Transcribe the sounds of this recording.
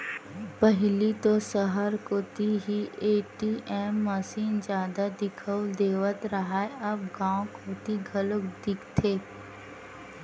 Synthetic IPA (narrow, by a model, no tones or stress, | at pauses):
pəɦɪlit̪osəɦəɾkoːt̪iɦieːʈiʔɛːmːəsiːnd͡ʒjaːd̪ad̪ɪkʰəd̪eːʋət̪ɾɐɦaːeɐbɡãːõkʰoːt̪iɡʱələkd̪ɪkt̪ʰeː